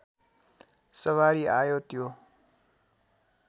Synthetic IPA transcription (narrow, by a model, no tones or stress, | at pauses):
səʋaɾiajot̪jo